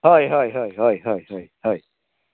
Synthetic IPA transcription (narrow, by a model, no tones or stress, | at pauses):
hoihoiɦoihoihoihoihoi